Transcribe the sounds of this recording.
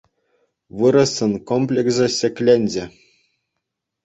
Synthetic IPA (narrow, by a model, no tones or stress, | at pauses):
ʋɯɾɤ̆sːɤ̆nkomplʲekzɤ̆ɕʲɘ̆kʲlʲenʲd͡ʑɘ̆